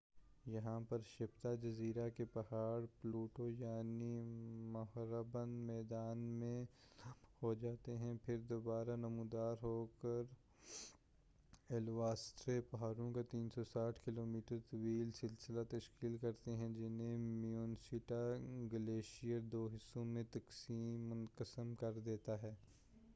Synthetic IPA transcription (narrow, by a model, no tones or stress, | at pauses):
jɐɦãpɐɾʃɪbt̪ad͡ʒɐziːɾakepɐɦaːɾpluːʈojaːnimɐɦɾəbənd̪mɛːd̪aːnmẽ | hod͡ʒaːt̪eɦɛ̃pʰɪɾd̪oːbaːɾanɐmũːd̪aːɾɦoːkɐɾ | ɛːlʋaːst̪ɾepɐɦaːɾõkat̪iːnsɔsaːʈʰkɪloːmiːʈəɾt̪ɐwiːlsɪlsɪlat̪ɐʃkiːlkɐɾt̪eɦɛ̃d͡ʒɪnɦẽmijuːnsɪʈaɡɐleːʃijəɾd̪oːɦɪsːõmẽt̪ɐksiːmːʊnkəsəmkɐɾd̪eːt̪aɦɛː